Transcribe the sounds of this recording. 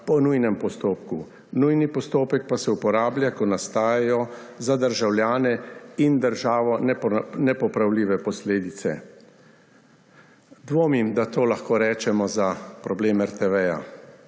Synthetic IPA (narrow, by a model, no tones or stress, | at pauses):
pɔnujnɛmpɔst̪oːpku | nujnipɔst̪oːpɛk̚pasɛupɔɾaːbljakɔnast̪aːjɛjɔ | zad̪əɾʒawljaːnɛind̪əɾʒaːʋɔnɛnɛpɔpɾawliːʋɛpɔsleːd̪it̪sɛ̰ | d̪ʋoːmimd̪at̪oːlaxkoːɾɛːt͡ʃɛmɔzapɾɔbleːmɛɾt̪ɛʋɛja̰